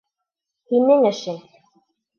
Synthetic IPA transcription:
hinɘŋɘ̆ʃɘn

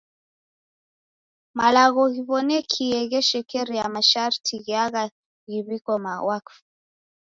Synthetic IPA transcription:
malaɣɔɣiβɔnɛkʰiɛɣɛʃɛkɛɾijamaʃaɾtʰiɣiaɣa | ɣiβikɔmawakf

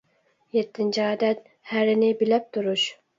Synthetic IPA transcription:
jet̪ʰːɪnt͡ʃʰiɑːd̪ɛt̪̚ | hæɾɪnɪbɪlæp̚t̪ʰuɾuʃ

